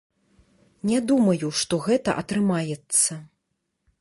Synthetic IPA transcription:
nʲɛd̪umɐjuʂt̪ɔɣɛt̪ɐʔɐt̪ɾɨmajɛt̪sːɐ

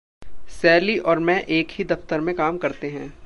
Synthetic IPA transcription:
sɛːliʔɔːɾmɛ̃ʔeːkɦid̪ɐft̪əɾmẽkaːmkɐɾt̪eɦɛ̃ː

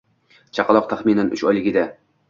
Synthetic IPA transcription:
t͡ʃʰɑqɑlˠɒq̚t̪ʰaχminanʊ̰t͡ʃɒjlˠɪɡʲɪd̪a

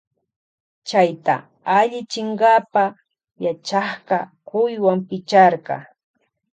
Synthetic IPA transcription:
t͡ʃajt̪a̰ | aʎɪt͡ʃɪɴɢɑpa | jat͡ʃɑχɢɑkʊjwampɪt͡ʃɑɾɢɑ̰

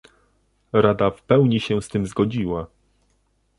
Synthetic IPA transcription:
ɾad̪afpɛwɲiɕɛst̪ɘmzɡɔd͡ʑiwa

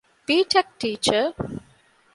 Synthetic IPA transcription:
piːʈʰɛk̚ʈiːt͡ʃə

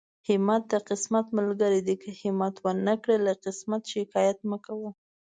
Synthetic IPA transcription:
hɪmɑt̪̚d̪əqɪsmat̪məlɡəɾid̪ikəhɪmɑt̪wəɾnəkɽəlaqɪsmat̪ʃɪkɑjat̪məkawə

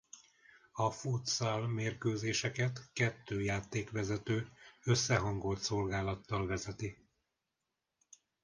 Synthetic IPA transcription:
ɒfuːt̪saːlmeːrkøːzeːʃɛkɛt̪kɛt̪ːøːjaːt̪eːkʋɛzɛt̪øːø̞sːɛɦɒŋɡo̞lt̪so̞lɡaːlɒt̪ːɒlvɛzɛt̪i

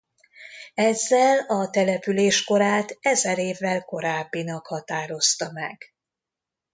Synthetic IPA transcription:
ɛzːɛlɒt̪ɛlɛpyleːʃko̞ɾaːt̪ɛzɛɾeːvːɛlko̞ɾaːbːinɒkhɒt̪aːɾo̞st̪ɒmɛ̰ɡ

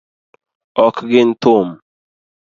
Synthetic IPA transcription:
ɔkɡɪnt̪ʊm

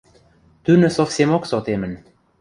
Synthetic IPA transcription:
t̪ynə̆sofsʲemoksot̪emə̆n

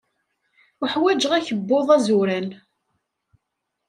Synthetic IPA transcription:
uħwæd͡ʒʁæçəbːoðˤæzuɾæn

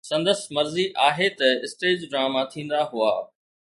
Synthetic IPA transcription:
sɐ̃nd̪əsmɐɾziʔaːɦet̪ɐɪsʈeːd͡ʑɡɾaːmat̪ʰĩːn̆d̪aɦʊa̰ː

